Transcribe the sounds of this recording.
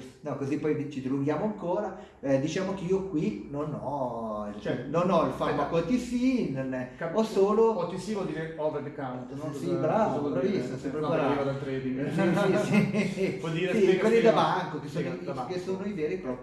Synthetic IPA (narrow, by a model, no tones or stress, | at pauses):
nɔkozipɔjt͡ʃid̪iluŋɡjaːmoaŋkoːɾa | ɛd̪it͡ʃaːmokeiːokwinonɔ | t͡ʃɛnonɔlfamakɔt̪isinonɛkaɔsoːlot̪isiɔd̪iɾeɔveɾd̪ekawt̪nosibɾaːvaovisosɛpːɾeɾivad̪alt̪ɾed̪isisipɔd̪iːɾesikwelːid̪abaŋkokesonokesoːnoiveːɾipɾɔ